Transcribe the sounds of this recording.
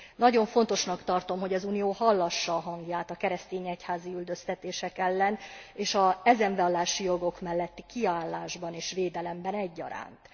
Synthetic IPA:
nɒɟo̞ɱfo̞n̪t̪o̞ʃnɒkt̪ɒrt̪o̞mɦo̞ɟɒzuːnijoːhɒlːɒʃːɒːɦɒŋɡjaːt̪ɒkɛɾɛst̪eːɲɛchaːziyld̪ø̞st̪ɛt̪eːʃɛkɛlːɛneːʃɒɛzɛɱvɛɒlːaːʃijo̞ɡo̞kmɛlːɛt̪ːi̥kiaːlːaːʒbɒneːʃʋeːd̪ɛlɛmbɛnɛɟːɒ̰ɾa̰ːnt̪

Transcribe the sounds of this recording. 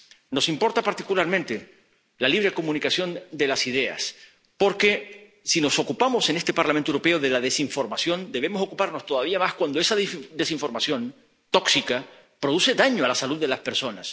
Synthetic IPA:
no̞simpo̞ɾt̪apaɾt̪ikulaɾmẽnt̪e | laliβɾekomũnikasjo̞nd̪e̞lasiðe̞a̰s | po̞ɾke̞ | sino̞sokupamo̞se̞nest̪e̞paɾlamẽnt̪euɾope̞oðe̞laðe̞siɱfo̞ɾmasjo̞nd̪e̞β̞e̞mo̞so̞kupaɾno̞st̪o̞ðaβiamaskwand̪oe̞saðd̪e̞siɱfo̞ɾmasjo̞n | t̪o̞ksika | pɾo̞ðuse̞ðaɲoalasaluðːe̞laspe̞ɾso̞nas

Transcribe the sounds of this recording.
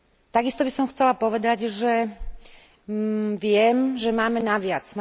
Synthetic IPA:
t̪aɡist̪ɔbisɔmxt͡sɛlapɔʋɛd̪aɟʒɛ | ʋɪɛmʒɛmaːmɛnaʋɪat͡sm

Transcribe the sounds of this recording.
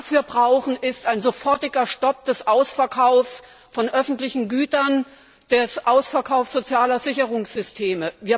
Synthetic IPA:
asv̥iːɐbʁaʊxn̩ʔɪstaɪnzofɔɐtɪɡɐʃtɔp̚d̥ɛsʔaʊsfɛɐkʰaʊfs | fɔnʔœfn̩tlɪçn̩ɡyːtɐn | d̥ɛsʔaʊsfɐkʰaʊfsz̥ot͡sjaːlɐzɪçəʁʊŋsz̥ʏstʰeːməviːɐ

